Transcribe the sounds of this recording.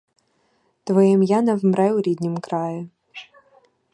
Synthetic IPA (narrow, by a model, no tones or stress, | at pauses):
t̪vɔjɛmjanɐvmɾɛwɾʲid̪ʲnʲimkɾajʊ